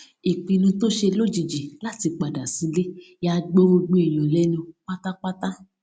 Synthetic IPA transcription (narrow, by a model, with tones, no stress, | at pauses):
i˨k͡pĩ˨nũ˧to˦ʃe˧lo˦d͡ʒi˨d͡ʒi˨la˦ti˧k͡pa˨da˨si˨˧le˦ja˧ɡ͡bo˦o˧ɡ͡bo˦e˨j̃ɔ̃˨lɛ˦nũ˧k͡pa˦ta˦k͡pa˦ta˦